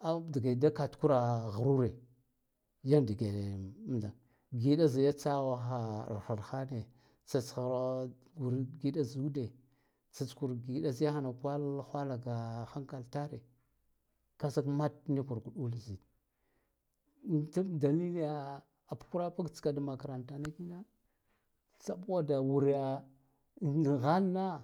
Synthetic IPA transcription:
a˦di˨ɡa˨da˦ka˨tku˦ɾa˨ɣa˨ɾu˦ɾe˨ | ja˦ndi˨ɡe˨˦m˦da˨ | ɡi˨˦ɗa˦za˨ja˦t͡sa˦ɣa˨xa̰˨xa˨ɾxa˦ne˨ | t͡sa˨t͡sxa˨ɾ | ɡu˨ɾɡi˦ɗa˦zu˦de˨ | t͡sa˨t͡sku˨ɾɡi˨ɗa˦zi˦ja˦xa˦na˨ka˦lxʷa˦la˨ɡa˨xa˦ŋka˨lta˦ɾe˨ | ka˦za˦kma˦tni˦ku˨ɾɡu˨ɗu˦lzi˨ | ta˦da˨li˦li˦ja˨ | a˨pku˦ɾa˦pa˦ɡt͡ska˨da˨ma˨ka˨ɾa˨nta˨na˦ki˦na˦ | t͡sa˦pwa˦da˨wu˨ɾja˨ | ɣa˦lna˦

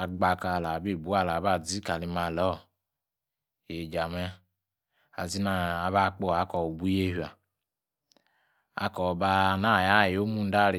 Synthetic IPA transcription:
a˨ɡ͡ba˧ka˧˨la˨bi˦˨bu˨˦a˦˨la˨ba˦˨d͡zi˦ka˨li˧ma˧˨lɔ˦˨ | e˨d͡ʒa˨mɛ˦ | a˨zi˦na˦˨a˨βa˦˨k͡po˦˨a˦kɔ˨o˨bu˨˦e˦hi˨a˨ | a̰˦kɔ˨ba˧na˦˨ja˦˨jo˦mu˦n̩˦da˦ɾi˨

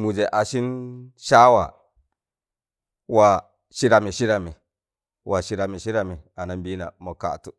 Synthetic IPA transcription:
mu˨d͡ʒe˨ʔa˨ʃi˦nʃa˦wa̰˨ | wa˨ | ʃi˦ɾa˨mi˨ʃi˦ɾa˨mi˨ | wʔa˨ʃi˦ɾa˨mi˨ʃi˦ɾa˨mi˨a˨na˨nbi˦na̰˨mo˨ka̰˨tu˦

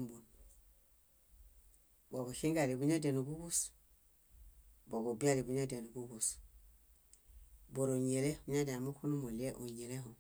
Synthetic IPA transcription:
mbu˨n | bo˨bu˨ki˦ŋɡa˨li˨bu˦ɲa˦de˨nu˨ɡu˦ɡu˦s | bo˨bu˨bi˦a˦li˨bu˦ɲa˦de˨nu˨ɡu˦ɡus | bo˨ɾo˨ɲe˨le˦bu˦ɲa˦da˨mu˦ku˦nu˦mo˨lie˦ʔo˨ɲe˨le˦ɦo˨

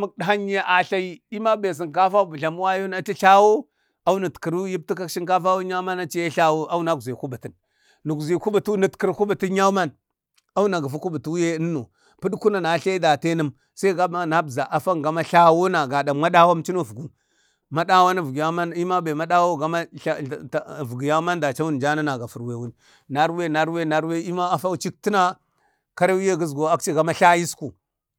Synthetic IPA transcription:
ma˦k̚ɗa˨ɦa˦ɲ˦e˦ʔa˨ɬa˦ji˦i˦ma˦be˨s̬i˨ŋka˦fa˦bu˨ɬa˨m˦wa˦jo˦na˦t͡ʃi˦ɬa˦wo˦ | a˦u˦na˨tkə˨ɾu˦ji˦p̚ti˦ka˦kʃi˦ŋka˦fa˦wu˦a˦ma˦na˦t͡ʃi˦je˦ɬa˦wo˦a˦wu˦na˦ɡzi˨ku˦ba˨ti˨n | nːu˨ɡzi˨ku˦ba˨tu˦ni˨tki˨ɾku˦ba˨ti˦ɲa˦u˦ma˦n | a˦u˦na˨ɡa˨fu˦ku˦bu˨tu˦je˦ə˦nːo̰˨ | pu˦ɗku˦na˨na˨ɬa˦i˦da˨te˦nə˦m | sa˦i˦ɡa˦a˦na˦bza˨ʔa˨fa˦ŋɡa˦ma˦ɬa˦wo˦na˨ɡa˨da˨mmʷa˦ɗa˦wa˦mt͡ʃi˦no˦vu˨ɡu˦ | ma˦ɗa˦wa˦na˦vu˨ɡja˦ma˦ni˦ma˦be˨ma˦ɗa˦wo˦˨ɡa˨ma˦˨ | vu˨ɡja˦ma˦nda˨t͡ʃa˦wu˦n˨d͡ʒa˦na˦na˨ɡa˨fu˨ɾwe˨wu˦n˨ | na˦ɾwe˦˨na˨ɾwe˦˨na˨ɾwe˦i˦ma˦a˦fa˦t͡ʃi˦k̚ti˦na˦ | ka˦ɾa˦wi˦je˦ɡə˦zɡo˨a˦k̚t͡ʃi˦ɡa˦ma˦ɬa˦ji˦sku˨

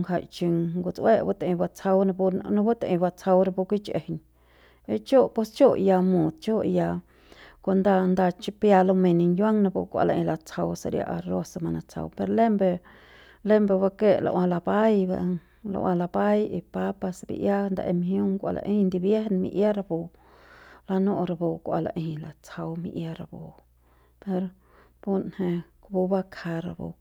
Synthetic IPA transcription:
ŋɦa˧jt͡ʃi˧ŋɡu˨t͡sʔwe˦ʔbu˦t̪ã˨˧ba˧t͡sa˧wna˧bnã˦bu˦t̪e˨ʔba˧t͡sʰa˧wɾa˧pu˧kʷi˦t͡ʃḛ˨hɲ | e˧t͡ʃo˦pe˧st͡ʃo˦ʔja˧mũ˨d̪̚t͡ʃo˦ja˧ | kʷa˧nd̪a˧nd̪a˧t͡ʃi˧pja˧lo˧me˨ni˧ɲjwa˦ŋnã˧bṵ˧kʷa̰˧la̰˨ʔẽ˧la˧t͡sʰa˧wsa˧ɾja̰˧ʔa˧ɾo˦sa˧ma˧na˧t͡sʰa̰˧wpe˧ɾle˦mbe˧ | le˦mbe˧wa˦ke˦lʔa̰˧wa˧la˧ba˦jba̰˧ | la̰˨wʔã˧la˧ba˦ji˧pa˦pa˧sbḭ˧ʔja˦nd̪a̰˧ʔe˧mhjo˦ŋkʷa̰˨lʔa̰˨ʔi˦nd̪i˧bje˦hnmḭ˧ʔja˦ɾa˧bo˨ | la˧no˦ʔɾa˨bo˨kʷa̰˨la̰˨ʔi˧la˨t͡sʰa˧wmi˧ʔja˦ɾa˨bo˨ | pe˧ɾ | bu˦nhe˧kbu˧ba˦kʰa˧ɾa˧˨bo̰˨˧

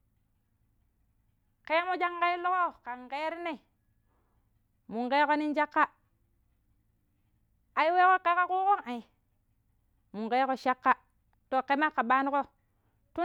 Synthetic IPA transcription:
ke˦mo˦d͡ʒa˦ŋka˦i˦lo˦ko˦ka˨ŋke˦ɾi˦ne˦˨ | mu˨ŋke˦ko˦ni˦nd͡ʒa˦kːa˦ | a˨ji˦we˦ko˦ke˦ka˦ku˦ko˦ŋa˨i˨ | mu˨ŋke˦ko˦ʃa˦kːa˦ | to˨ke˦ma˦kːa˨ɓa˦ni˦ko˦ | tu˦

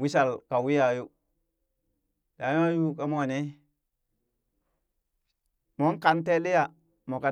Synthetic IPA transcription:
wi˦sa˨lka˨wi˦ja˨ju˦ | da˨˦ja˦ju˦ka˦mo˦˨ne˦ | mo˦ŋka˨nte˦li˦ja˨ | mo˨ka˨

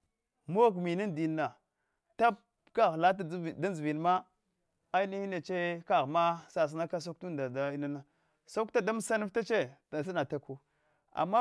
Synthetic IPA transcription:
m˦o˦kmi˨ni˦ndi˨˦nːa˨ | ta˦p̚ | ka˦ɣla˦t̬da˦nzi˨vi˨n˨ma˦ | a˦i˦ni˦hi˦na˨t͡ʃe˦ka˦˨ɣma˦sa˨s̬na˦ka˦s̬o˦k̚tu˦da˨da˦i˦na˦na˦ | so˦kta˦da˦m˦sa˦nu˦fta˦t͡ʃe˦a˨sa˦na˨ta˨ku˦ | a̰˨mːa˦

